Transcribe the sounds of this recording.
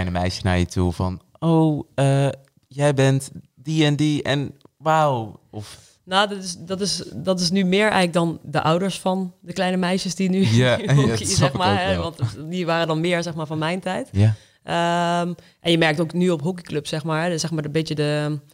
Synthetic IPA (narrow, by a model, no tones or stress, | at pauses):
ljnəmɛ̰jʃə̥na̰ɹjətʰṵvɑ̰n | owə | jɛjbɛntdiɛndiɛ̰n | wawɔf | noːdtɪsdɔtɪsdɑtɪs̬nymɪːɹɛ̰jxlək̚dɔndəʔɔwdəɹsfɑndəklɛjnəmɛjʃəsdinykixmaːɦɛʋɑntdiʋaːɾədɔnmɪːəɹzɛxmaːɹvɔnmɛjntɛjta | ʔəm | ʔɛnjəmɛɹk̚towknyɔpɦuk̬ikløpsɛxmaːɹɦɛsɛxmaːɹəbɪtjədə